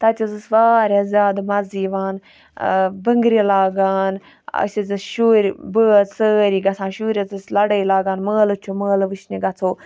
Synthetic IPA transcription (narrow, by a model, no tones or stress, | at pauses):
t̪ɐt̪ʲizɨsʋaːɾʲazʲjaːd̪mɐziːʋaːn | bəŋɡɾilaːɡaːn | ɐ̰sʲizɨsʃuːɾʲbəːsəːɾiːɡɐt͡sʰãːʃuːɾʲɐzɨslɐɽəjlaːɡaːnməːlɨt͡ʃʰuməːlʋɨʃniɡɐt͡sʰoː